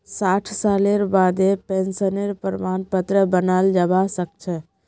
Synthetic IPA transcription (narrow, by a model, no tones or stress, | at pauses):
saːʈʰsaːleɾbaːd̪epensəneɾpəɾmaːnpət̪ɾəbənald͡ʒəbasək̚t͡ʃʰɛ